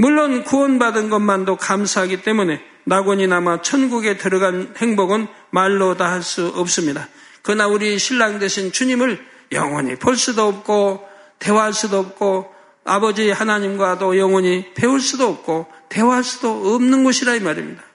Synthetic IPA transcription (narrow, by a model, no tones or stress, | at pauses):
muɭːonkuwʌnbadɯnɡʌnmandokamsʰaɦaɡit͈e̞mune̞ | naɡwʌɲinamat͡ɕʰʌnɡuɡe̞tɯɾʌɡanhe̞ŋboɡɯn | maɭːodaɦaɭs͈uʌp̚s͈ɯmɲida | kɯɯnauɾiɕʰiɭːaŋdwe̞ɕʰint͡ɕuɲimɯɭ | jʌ̰ŋwʌɲḭpʰoɭs͈udoʌp̚k͈o | te̞waɦaɭs͈udoːp̚k͈o | a̰bʌd͡ʑihanaɲimɡwadojʌŋwʌɲipe̞uɭs͈udoːp̚k͈ote̞waɦaɭs͈udoʌmnɯnɡʌɕʰiɾaimaɾḭmɲida